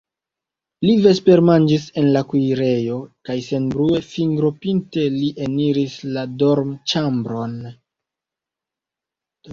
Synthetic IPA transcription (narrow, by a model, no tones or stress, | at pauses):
live̞spe̞ɾmand͡ʒise̞nlakujɾe̞jo̞kajse̞nbɾue̞fiŋɡɾo̞pinte̞liʔeniɾislado̞ɾmt͡ʃambɾo̞n